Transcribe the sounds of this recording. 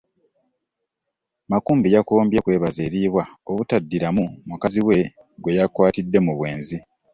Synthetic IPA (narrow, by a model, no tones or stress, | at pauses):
makuːmbijakoːmbje̞kwe̞ːβazeːɾiːβwaoβutadːiɾamumukaziwe̞ | ɡwe̞jakwaːtidːe̞muβwe̞ːnzi